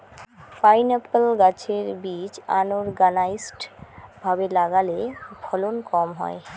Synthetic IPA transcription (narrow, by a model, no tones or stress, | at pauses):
pajnapəlɡat͡ɕʰeɾbit͡ɕa̰noɾɡanaisʈbʱabelaɡalebʰʱɔlonkɔmɦɔ̰e